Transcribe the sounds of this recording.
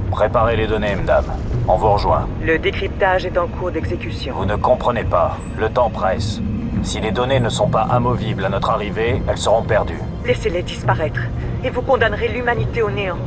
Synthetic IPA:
pχepaʁeled̪ɔnemad̪a̰mɔ̃vuʁəʒwɛ̰̃ | ləd̪ekχip̚t̪aʒɛt̪ɑ̃kʰuʁd̪ɛɡzekʲysjɔ̃vunəkɔ̃pχənepa | lət̪ɑ̃pχɛssiled̪ɔnenəsɔ̃paʔɛ̃mɔviblanɔt̪χaʁiveɛlsəʁɔ̃pɛʁd̪y̰ | leseled̪ispaʁɛt̪χ | evukɔ̃d̪anʁelymanit̪eoneɑ̃

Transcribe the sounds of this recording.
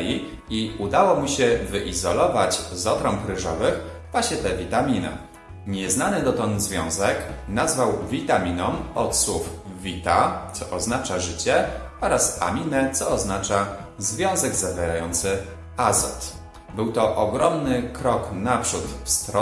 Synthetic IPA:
i | iud̪awɔmuɕɛvɘʔizɔlɔvat͡ɕzɔt̪ɾɔmkɾɘʐɔ̰vɘx | vwaɕɲɛt̪ɛvʲit̪amʲinɛ̰ | ɲɛznanɘd̪ɔt̪ɔnzvʲjɔ̃w̃zɛknazvawvʲit̪amʲinɔmɔt̪swuf | vʲit̪at̪sɔʔɔznat͡ʂaʐɘt͡ɕɛ | ɔɾasa̰mʲinɛt̪sɔɔznat͡ʂa | zvʲjɔ̃w̃zɛɡzavʲjɛɾajɔnt̪sɘ | azɔ̰t̪ | bɘwt̪ɔʔɔɡɾɔmnɘkɾɔknapʂut̪fst̪ɾɔ

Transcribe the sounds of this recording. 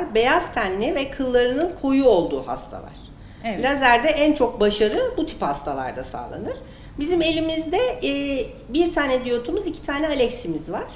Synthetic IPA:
ɾbe̞jazt̪ʰænːʲivɛkʰɯlˠːaɾɯnɯnkʰo̞juo̞lˠd̪uːha̰st̪ʰa̰lˠa̰ɾ̥ | lʲazlʲæɾd̪ɛʔænt͡ʃʰo̞k̚baʃaɾɯbut̪ʰi̥phast̪ʰalˠa̰ɾd̪asa̰ːlˠa̰nɯɾ̥ | bizime̞lʲimizd̪ɛː | biɾt̪ʰaːnɛd̪ijo̞t̪ʰumuzicʰi̥t̪ʰaːnɛalʲɛcsimizvaɾ̥

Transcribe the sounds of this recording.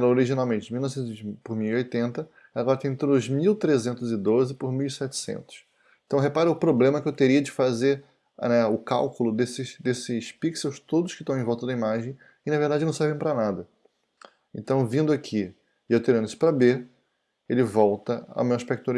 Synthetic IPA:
ɾɐoɾiʒinawmẽnt͡ʃɪmiwnɔvsẽt̪zvizpʊɾmiwiojt̪ẽnt̪ɐ | aɡɔɾɐt̪ẽt̪ɾʊzmiwt̪ɾezẽnt̪ʊzɪd̪ozɪpʊɾmiwisɛt͡ʃɪ̥sḛ̃nt̪ʊ̥s | ẽt̪ɐ̃w̃ɦepaɾʊʊpɾoblẽmɐkɪewt̪eɾiɐd͡ʒɪfazeɾ | nɛʊka̰wkʊlʊd̪esɪʃd̪esɪspiksewst̪od̪ʊʃkɪt̪ɐ̃w̃ẽvɔwt̪ɐd̪ɐimaʒẽj̃ | ɪnɐveɾd̪ad͡ʒɪnɐ̃w̃sɛɾvẽj̃pɾanad̪ɐ | ẽnt̪ɐ̃w̃vĩnd̪ʊakʰi | ɪewt̪eɾɐ̃nd̪ɪsʊ̥pɾɐbeɾ | elɪvɔwt̪ɐa̰mẽwaʃpɛk̚t̪aɾ

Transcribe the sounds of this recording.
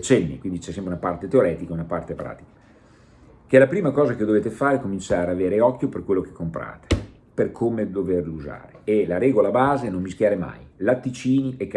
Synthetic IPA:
t͡ʃɛnːikwind̪it͡ʃɛsːɛmpɾeunapart̪et̪eoɾɛːt̪ikaunapart̪epɾa̰ːt̪i̥kḁ | k̟elapɾiːmakɔːzak̟ed̪oveːt̪efaːɾekomint͡ʃaːɾeaveːɾeɔkːjoperkwelːok̟e̥kːompɾa̰ːt̪e̥ | perkʰomed̪overluza̰ːɾeelaɾɛːɡolabaːzenommiskʲjaːɾema̰jlat̪ːit͡ʃiːniekː

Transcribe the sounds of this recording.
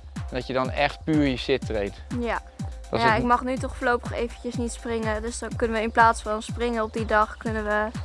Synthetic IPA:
ndɔtjədɔnɛxtpyːɹjəsɪtrejtja | djaɪkmɑχnytɔχfəːɹlowpəχejvəntəsnitsprɪŋədøsdɔnkɵnəʋəɪnplaːtsfɑnsprɪŋəɔp̚didɑχkønəʋə

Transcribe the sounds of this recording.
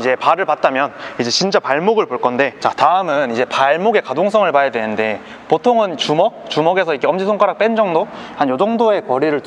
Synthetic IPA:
id͡ʑe̞paɾɯɭpat̚t͈amjʌnid͡ʑe̞t͡ɕint͡ɕ͈apaɭmoɡɯɭpoɭk͈ʌnde̞t͡ɕataɯmɯnid͡ʑe̞paɭmoɡe̞kadoŋs̬ʰʌŋɯɭpajadwe̞nɯnde̞ | potʰoŋɯnt͡ɕumʌk̚t͡ɕumʌɡe̞sʰʌik͈ʰeʌmd͡ʑisʰoŋk͈ʰaɾak̚p͈e̞nd͡ʑʌŋdohanjod͡ʑʌŋdoe̞kʌɾiɾɯɭ

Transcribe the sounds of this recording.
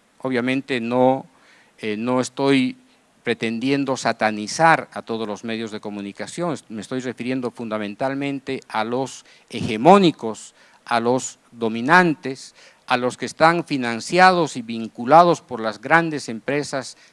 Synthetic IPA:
oβjamẽ̞nt̪eno | eno̞est̪o̞j | pɾe̞t̪e̞nd̪je̞nd̪o̞sat̪anisaɾat̪o̞ð̞ozlo̞zme̞ðjo̞zðeko̞munikasjo̞ŋesmest̪o̞jre̞fiɾje̞nd̪o̞fund̪amẽnt̪almẽ̞nt̪e̞alos | exe̞mo̞nikos | alo̞z | d̪o̞mĩnant̪es | alo̞skeːst̪aɱfinãnsjaðosiβiŋkulað̞o̞spo̞ɾlazɣɾand̪e̞se̞mpɾe̞sas

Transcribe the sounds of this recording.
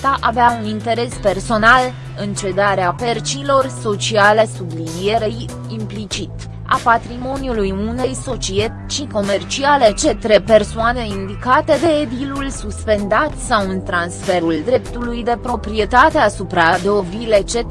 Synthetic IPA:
t̪aʔaveaunint̪e̞ɾe̞spe̞rso̞nal | ɨnt͡ʃe̞d̪aɾeape̞rt͡ʃilo̞rso̞t͡ʃiale̞sublinie̞ɾej | implit͡ʃit̪ | a̰pat̪ɾimo̞nijulujune̞jso̞t͡ʃie̞t̪t͡ʃiko̞me̞rt͡ʃiale̞t͡ʃe̞t̪ɾe̞pe̞rsoane̞ind̪ikat̪e̞d̪eːd̪ilulsuspe̞nd̪at̪sawɨnt̪ɾansfe̞ɾuld̪ɾe̞pt̪ulujd̪e̞pɾo̞pɾie̞t̪at̪e̞asupɾad̪eovile̞t͡ʃe̞

